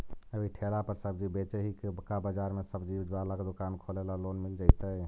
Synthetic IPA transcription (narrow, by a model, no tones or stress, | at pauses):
əbʱiʈʰelapəɾsəbd͡ʒibet͡ʃeɦikekabad͡ʒaɾmesəbd͡ʒid͡ʒbalaked̪okankʰolelaloːnmild͡ʒaɪt̪ə